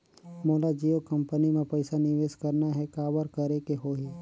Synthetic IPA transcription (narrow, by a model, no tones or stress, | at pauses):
moːlad͡ʒiːokɐ̃mpənimẽpɐɪsanɪʋeːskɐɾnaɦɛkaːʋəɾkɐɾekeɦoːɦi